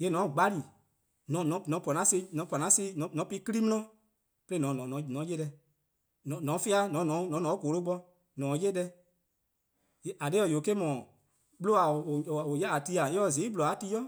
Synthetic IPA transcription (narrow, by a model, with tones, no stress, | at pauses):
je˧˦nɔ̃˨˦˨ɡ͡ba˦li˨ | nɔ̃˨˦nɔ̃˨˦nɔ̃˨˦pɔ˨nã˨˦se˧˦nɔ̃˨˦pɔ˨nã˨˦si˦nɔ̃˨˦nɔ̃˨˦pi˦ki˦i˦m̃˦ɔ̃˦ | pe˦le˦˨nɔ̃˨nɔ̃˨nɔ̃˨˦nɔ̃˨˦je˦dɛ˧ | nɔ̃˨nɔ̃˨˦fi˦a˧˦nɔ̃˨˦nɔ̃˨˦nɔ̃˨˦nɔ̃˨˦ko˨˦lo˦ɡ͡bɔ˧ | nɔ̃ː˨˦je˦dɛ˧ | e˦a˨de˦ɔ˨jo˨ke˦mɔ̃˨ | ɓlo˦a˨o˨o˨o˨jɛ˦a˨ti˧a˨e˦ɔ˧˨zĩ˨˦blo˨a˨˦ti˧˦jɔ˦